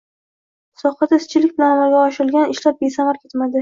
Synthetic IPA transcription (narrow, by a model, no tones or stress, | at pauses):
sɒχɑd̪aɪst͡ʃʰɪlɪk̚ʲbɪlanmɒlɡʲaɒʃɪɾɪlɡʲanɪʃlap̚be̞samaɾkʲe̞t̪mad̪ɪ